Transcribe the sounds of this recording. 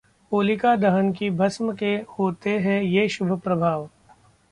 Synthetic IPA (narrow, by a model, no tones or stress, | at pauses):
oːlɪkad̪ɐɦənkibʱɐsməkehoːt̪eɦɛ̃jeːʃʊbʱəpɾɐbʱaːʋ